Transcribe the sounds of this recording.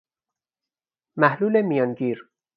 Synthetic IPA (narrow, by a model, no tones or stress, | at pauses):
mæhluːlemijɒːnɟiːɾ